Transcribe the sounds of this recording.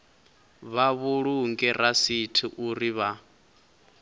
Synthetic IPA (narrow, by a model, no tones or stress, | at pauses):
βaβuɺuŋɡɛrasitʰiʔuriβa